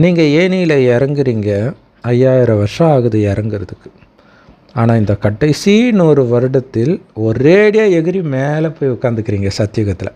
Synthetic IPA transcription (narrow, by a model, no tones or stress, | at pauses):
niːŋɡɐeːnijɪlɐɛɾɐŋɡɪɾiːŋɡɐ | ɐjːaːjɪɾɐʋɐɾʂɐ̃aːɣɯðɯɛɾɐŋɡɪɾɐðɯkːɯ̥ | aːnaːɪnd̪ɐkɐʈːɐɪsiːnuːɾɯʋɐɾɯɽɐt̪ːɪlɔɾeːɽɪjaːɛɣɯɾimeːlɛpːoːjʊkːaːnd̪ɯkːɪɾiːŋɡɐsɐt̪ːɪjʊɣɐt̪ːɪlʔɐ̰